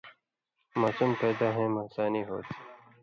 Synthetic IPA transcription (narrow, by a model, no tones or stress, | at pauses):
maːsumpeːd̪aːɦẽːmasaːniːɦo̰ːt̪ʰi̥ː